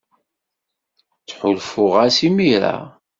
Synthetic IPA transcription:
t͡sːħʊlfʊʁasimiɾa̰

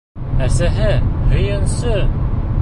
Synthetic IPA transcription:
æsæɦɘhɵ̆jɤ̆nsɤ

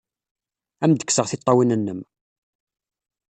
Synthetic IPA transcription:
æmd̪ə̥kːsəʁθɪt̪ˤːɑwinənːəm

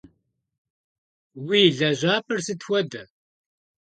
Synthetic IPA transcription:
wiːɮɐʑʷaːpɨrsɨt̪ʰxʷɐd̪ɨ

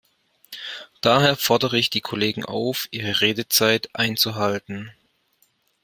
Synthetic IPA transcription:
d̥aːɦeːɐfɔɐdəʁəɪçd̥iːkʰoleːɡŋ̩ʔa̰ʊfʔiːʁ̞əʁeːdət͡saɪtʔaɪnt͡suɦaltn̩

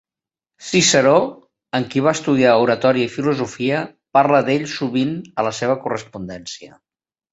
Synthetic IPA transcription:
sisəɾo | əŋkiβ̞aəst̪uð̞iauɾət̪ɔɾiəifiluzufiə | paɾləðeʎsuβinələseβ̞əkurəspund̪ɛnsiə

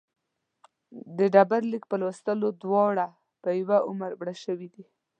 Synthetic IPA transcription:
d̪əɖabaɾlik̚pəlwəst̪əlod̪wɑɽa | pəjawaʔʊməɾbɽaʃəwid̪i

